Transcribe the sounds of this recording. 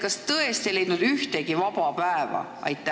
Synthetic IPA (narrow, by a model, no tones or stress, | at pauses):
kɑst̪ɤest̪ele̞j̪nud̪yht̪eɡ̥ivɑpɑpæevɑ̰ | ɑ̰jt̪ːˑæ